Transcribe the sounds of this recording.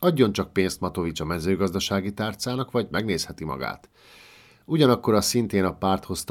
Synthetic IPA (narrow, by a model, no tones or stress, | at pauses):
ɒɟːo̞nt͡ʃɒk̚peːnst̪mɒt̪ovit͡ʃɒmɛzøːɡɒzd̪ɒʃaːɡit̪aːrt̪saːnɒkʋɒɟmɛɡneːshɛt̪imɒ̰ɡa̰ːt̪ | uɟɒnɒkːo̞ɾɒsint̪eːnɒpaːrt̪ho̞st̪